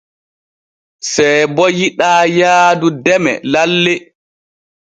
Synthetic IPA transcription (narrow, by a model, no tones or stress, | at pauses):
sɛjbɔjiɗaːjaːdudɛmɛ̰lalːe